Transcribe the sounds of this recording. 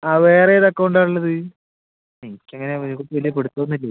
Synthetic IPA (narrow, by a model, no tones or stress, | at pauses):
aːʋeːrejiðɐkːɐʋɳɖaːɳɐɭlːɐðɨ | enikʲːeŋːɐneikːoʈːɨʋɐlijɐpeɽut̪ːoːnːilːɐ